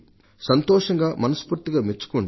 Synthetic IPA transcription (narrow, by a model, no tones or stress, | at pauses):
sɐnt̪ɔːʂɐŋɡaːmɐnɐspuːɾt̪iɡaːmet͡ʃːu̥koɳ